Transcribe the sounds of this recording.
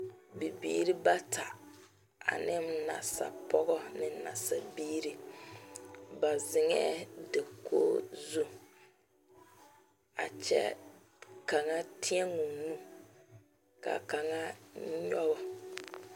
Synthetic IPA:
bi˨bḭː˦ɾi˦ba˦tʰa˨ | a̰˨nɪ˦m˦na̰˨sa̰˨pɔ˦ɣɔ˦nɪ˨˦na̰˨sa˨biː˦ɾi˦ | ba˨zɪ˨ŋɛ˦de˨kʰoː˦zu˦ | a̰˨t͡ʃɛ̰˦ | ka˨ŋa˦tʰi˦ɛ˦ŋu˨nu˦ | ka̰˨ka˨ŋa˦ɲɔ˦bɔ˨

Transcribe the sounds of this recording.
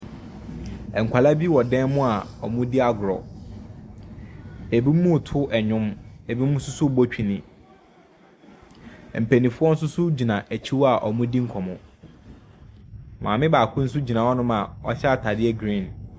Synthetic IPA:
ɛ˨ŋ̩˨kʷʰa˨la˦bi˦wɔ˨dɛ̃˦nmʊ̃˦a˨ɔ˨mʊ̃˦di˦a˦ɡʊ˨ɾɔ̰˨ | e˨bi˦mːũ˦˨tʰʊ˦ʔɛ˨ɲᶣʊ̃˦me˨bi˦mũ˦sʊ˦sʊ˦˨bɔ˦t͡ɕᶣi˨nĩ˨ | m̩˨pʰæ˨nĩ˨fʊ˦ɔ˦n̩˦sʊ˦sʊ˦d͡ʑi˨nã˨ʔæ˨t͡ɕʰi˦wa˨ʔɔ˨mʊ̃˦di˦ŋ̩˦kʰɔ˨mʊ̃˨ | mã̰ː˨mɪ̃˦baː˨kʰʊ̃˦n̩˦s̬ʊ˦d͡ʑi˨nã˨wɔ˦nʊ̃˦mã˨ɔ˦ɕɛ˦a˨tʰa˨dɪ˦ɛ˦ɡɾĩ˦˨n

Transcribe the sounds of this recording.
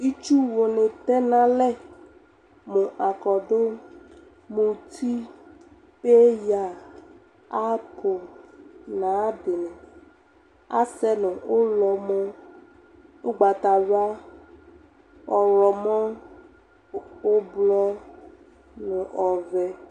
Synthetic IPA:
i˦t͡ʃu˦wo˨nẽ˨t̪ɛ˦nã˦lɛ˦ | mũ˨ʔa˨kɔ˨do˦ | mũ˨t̪ʰi˦ | be˦ja˨ | a˦pʰo˨ | nã˨˦de˨nɛ̃˨ | a̰˦sɛ˦nũ˨o˦lɔ˨mɔ̃˦ | o˦ɡ͡ba˨t̪a˨wa˦ | ɔ˨lɔ˨mɔ̃˦ | o˦blɔ˦ | nũ˨ʔɔ˨vɛ˦

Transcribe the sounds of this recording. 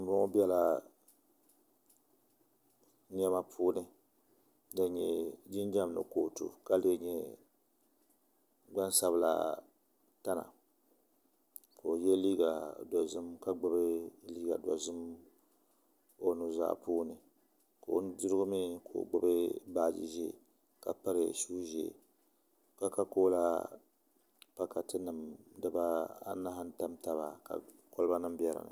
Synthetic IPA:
m̩˨bɔ˦ŋo˦bɛ˦la˦ | ɲa˦ma˦pʰuː˦nɨ˨ | dɨ˨ɲɛ˨d͡ʒi˦nd͡ʒa˦mnɨ̰˨ko˨tṵ˨ka˦le˦ɲɛ˦ | ɡ͡ba˦n˦sa˦βɨ˦la̰˦ | ta˦na̰˨ | kʰo˨jɛ˦liː˦ɡa˨da˨zɨ˦mka˦ɡ͡bɨ˦bɨ˦liː˦ɡa̰˨da̰˨zɨ˦m | o˦nu˨za̰ː˦˨puː˦nɨ˨ | ko˨˦n˦dɨ˦ɾɨ˦ɡʊ˦mi˦ko̰ː˨ɡ͡bɨ˦bɨ˦baː˦˨d͡ʒḭ˨ʒe˦˨ | ka˨pa˦ɾɨ˨ʃuː˦ʒḛ˨ | ka˦ka˦koː˦la˦ | pa˦ka˨tɨ˦nɨ˨mdɨ˨ba˦a̰˦na˦ɦa˦n˦ta˦mta˦βa˨ka̰˨ko˦lɨ˦ba˦nɨ˦m˦bɛ˦ɾɨ̰˨nɨ̰˨

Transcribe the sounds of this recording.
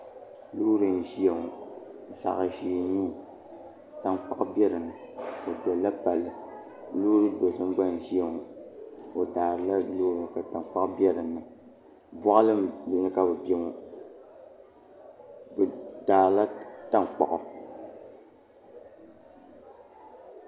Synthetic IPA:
luː˦ɾɨ˨n˨ʒi˦ɛ˨ŋu˨sa̰˨ɣa˨ʒi˨ɲi˦˨ | ta˨ŋk͡pa˦ʔʊ˦bi˦ɛ˦ɾɨ˨nːɨ˨ | o˨dɔ˨la˦pa˨lːɨ˨ | luː˦ɾɨ˦do˨sɨ˦m˦ɡ͡ba˦n˨ʒi˦ɛ˨ŋu˨ | o˨daː˨ɾɨ˨la˦loː˦ɾka˨ta˨ŋ˨k͡pa˦ʔbɛ˦ɾɨ˨nːɨ˨ | bɔ˦ʔlɨ˦mbɛ˨nɨ˦ka˨bɨ˨bɛ˨ŋu˦ | bɨ˨daː˨ɾla˦ta˦ŋ˨k͡pa̰˨ʔʊ˨

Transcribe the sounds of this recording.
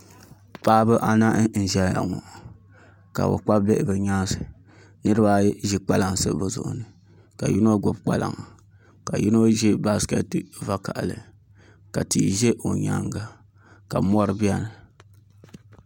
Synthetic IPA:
paː˦bɨ˦ʔa˦na˦ʔn̩˨ʒɛ˦ja̰˨ŋɔ̰˨ | ka̰˨ʔo̰˨k͡pa˦bbɛ˦ʔbɨ˨ɲa˦sɨ˨ | nɨ˦ɾɨ˦ba˦ʒi˦k͡pa˦la˨ŋ˨sɨ̰˦bo˨zʊ̰˨ʔʊ̰˨nɨ˨ | ka˨ji˦no˦ɡo˨bk͡pa˦la̰˨ŋ˨ | ka˨ji˦no˦ʒɛ˦ba˦ska̰˦tɨ˦va˦ka˨ʔlɨ̰˨ | ka˨ti˨ʒe˦ʔo˨ɲa̰˦ŋɡa˨ | ka˨mɔ˦ɾɨ˦bi˦a˦nɨ˨

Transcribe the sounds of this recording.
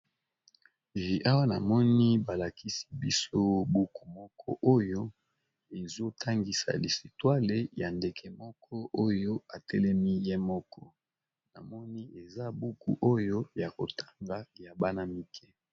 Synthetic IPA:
e˨e˨ʔa˦wa˦na˨mɔ˦ni˦ba˨la˨ki˦si̥˦bi˦so˦bu˦ku̥˨mɔ˦kʰɔ̰˦ʔo˦jo˦ | e˨zo˦tʰa˦ŋɡi˨sa̰˨li˨si˨twa˦le˨ja˨nde˨kʰɛ˨mɔ˦kʰɔ˦ʔo˦jo˦a˨tɛ˦lɛ˦mi˦je˦mɔ˦kʰɔ˦ | na̰˨mɔ˦ni˦e˨za˦bu˦kṵ˨ʔo˦jo˦ja˨ko˨tʰa˦ŋɡa˨ja˨ba˦na˦mi˦kʰɛ˦

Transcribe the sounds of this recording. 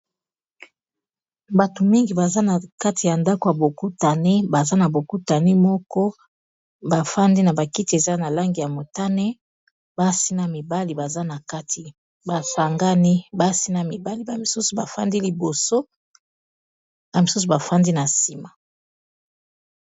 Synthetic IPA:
ba˨to˨mi˦ŋɡi˨ba˨za˦na˨ka˦ti˨ja˨nda˦ko˨ja˨bo˨ku˦ta˨ne˦ba˨za˦na˨bo˨ku˦ta˨ni˦mɔ˦kɔ˦ | ba˨fa˦ndi˦na˨ba˨ki˦ti˨e˨za˦na˨la˦ŋɡi˨ja˨mo˨ta˦ne˦ | b̥a˦si˦na˨mi˨ba˦li˨ba˨za˦na˨ka˦ti˨ | ba˨sa˨ŋɡa˦ni˦ba˦si˦na˨mi˨ba˦li˨ba˨mi˨su˦su˨ba˨fa̰˦ndi˦li˨bo˨so˦ | ja˨mi˨su˦s̬u˨ba˨fa˦ndi˦na˨si˨ma˨

